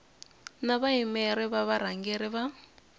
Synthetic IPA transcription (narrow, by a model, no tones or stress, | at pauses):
naβaimɛɾɛβaβaɾaŋɡɛɾɪβa